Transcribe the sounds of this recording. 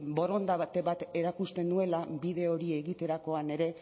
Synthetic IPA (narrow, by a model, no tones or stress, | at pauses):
bo̞ɾo̞nd̪at̪eβat̪e̞ɾakust̪e̞nue̞laβiðe̞o̞ɾie̞ɣit̪e̞ɾako̞ane̞ɾe̞